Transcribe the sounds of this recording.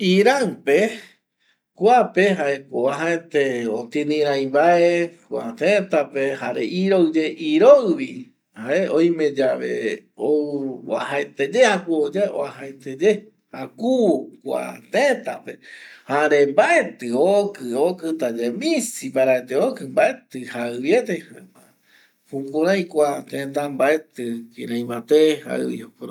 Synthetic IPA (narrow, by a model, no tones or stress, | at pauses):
iɾaŋpe | kʷapeɦaekoaɦaet̪eot̪ĩnĩɾãj̃βaekʷa̰t̪ẽt̪apehaɾeʔiɾowd͡ʒeʔiɾowβi | haeʔõj̃mẽd͡ʒaβḛoɨa̰haet̪ed͡ʒehakuod͡ʒeo̰ahaet̪ed͡ʒe | hakukʷa̰t̪et̪apehaɾembaet̪ɨokɨokɨt̪ad͡ʒemĩsipaɾaet̪eokɨmbaʔet̪ɨhaɨβjet̪ehaa | hũpũɾãj̃kʷat̪ẽt̪̬ãmbaet̪ɨkĩɾãj̃mãt̪eha̰ɨ̰βḭopɾ